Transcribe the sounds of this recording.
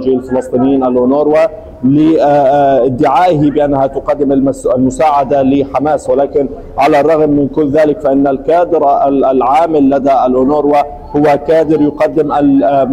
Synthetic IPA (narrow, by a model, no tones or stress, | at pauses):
d͡ʒɪalfɪlɑsˤt̪ˤiːnɪjːiːnʔalʔʊnoːɾwa | lɪ | ɪd̪ːɪʕaːʔɪɦɪbɪʔanːahat̪ʊqɑd̪ːɪmaalmʊsaːʕad̪alɪħamaːswɪlaːkɪn | ʕalarˤːɑɣmːɪnkʊlːðaːlɪkfaʔɪnːalkaːd̪ɪɾalʕaːmɪlːad̪aalʔʊnoːɾwa | hʊwːakaːd̪ɪɾjʊqɑd̪ːɪmʔal